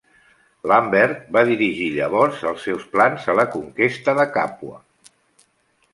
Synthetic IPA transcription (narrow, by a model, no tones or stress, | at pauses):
lambɛɾt̪̚baðiɾiʒiʎəβɔɾzəlˠsːɛwsplanzələkuŋkest̪əðəkapwə̰